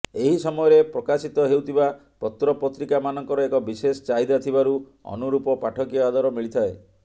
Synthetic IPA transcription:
eɦisɔmɔjɔɾepɾɔkasit̪ɔɦewt̪ʰiba | pɔt̪ɾɔpɔt̪ɾikamanɔŋkɔɾɔekɔbisesɔt͡ʃaid̪at̪ʰibaɾu | ɔ̰nuɾupɔpaʈʰɔkijɔad̪ɔɾɔmiɭit̪ʰae

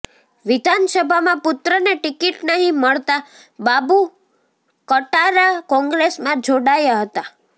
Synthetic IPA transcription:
ʋɪd̪ʱansəbʱamãpʊt̪ɾəneʈikiʈnəɦĩməɭt̪a | babu | kəʈaɾakɔ̃ŋɡɾesmãd͡ʒoɽajaɦət̪a

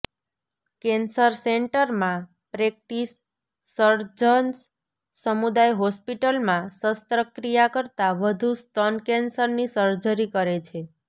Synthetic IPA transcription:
kɛnsəɾseɳʈəɾmã | pɾek̚ʈisː | əɾd͡ʒəns | səmud̪ajɦɔspiʈəlmãsəst̪ɾəkɾijakəɾt̪aʋəd̪ʱust̪ənkɛnsəɾnisəɾd͡ʒəɾikəɾet͡ʃʰe

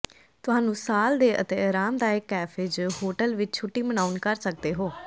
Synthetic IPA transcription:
t̪ʊɦãːnũːsaːld̪eːʔə̰t̪eːɾaːmd̪aːɪkːɛːpʰɪd͡ʒhoːʈəlʋɪt͡ʃt͡ʃʰʊʈːiːmənaːunkəɾsək̚d̪eːɦoː

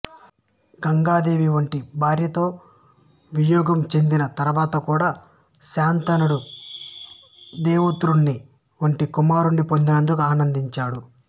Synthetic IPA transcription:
ɡɐŋɡaːd̪e̞ːʋiʋɐɳʈibʱaːɾjɐt̪o̞ː | ʋijɔːɡɐmt͡ʃe̞nd̪inɐt̪ɐɾuʋaːt̪ɐkuːɽaː | ʃaːnt̪ɐnuɽu | d̪eːʋut̪ɾuɳːi | ʋɐɳʈikumaːɾuɳɖipo̞nd̪inɐnd̪ukuaːnɐnd̪iɲt͡ʃaːɽu

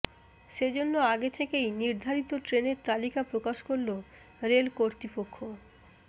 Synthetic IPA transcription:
ʃed͡ʑonːoaɡet̪ʰekejniɾd̪ʱaɾit̪oʈɾeneɾt̪alikapɾokaʃkoɾlo | ɾelkoɾt̪ipokʰːo

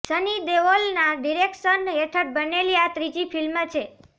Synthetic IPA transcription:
sənid̪eʋolnaɖiɾekʃənɦeʈʰəʈ̚bəneliat̪ɾid͡ʒipʰilmət͡ʃʰe

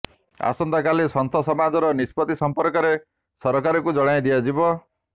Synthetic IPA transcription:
a̰sɔnd̪akalisɔnt̪ʰɔsɔmad͡ʒɔɾɔnispɔt̪isɔmpɔɾkɔɾe | sɔɾɔkaɾɔkud͡ʒɔɽ̃ajd̪iad͡ʒibɔ

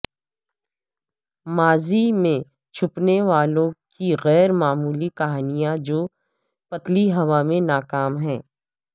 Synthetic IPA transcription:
maːzimẽ | t͡ʃʰʊpneʋaːlõkiɣɛːɾmaːmuːlikɐɦaːnijãd͡ʒoː | pɐt̪liɦɐʋamẽnaːkaːmɦɛ̃ː

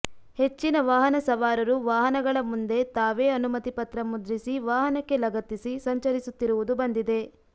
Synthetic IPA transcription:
he̞t͡ʃːinɐʋaːɦɐnɐsɐʋaːɾɐɾuʋaːɦɐnɐɡɐɭɐmund̪e̞t̪aːʋe̞ːɐnumɐt̪ipɐt̪ɾɐmud̪ɾisiʋaːɦɐnɐkːe̞lɐɡɐt̪isisɐɲt͡ʃɐɾisut̪ːiɾuʋud̪ubɐnd̪id̪e̞

